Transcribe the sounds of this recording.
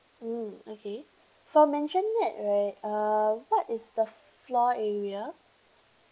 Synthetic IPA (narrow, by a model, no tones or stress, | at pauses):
m̩okʰe | fɔmɛ̃nʃə̃nŋɪt̚ɹaɪt̚awɔtɪsdə | flɔɛɹiə